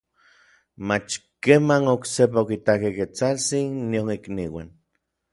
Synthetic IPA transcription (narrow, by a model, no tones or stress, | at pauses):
mat͡ʃkemanoksep̬aokit̪akeket͡salt͡sinːionikniwa̰n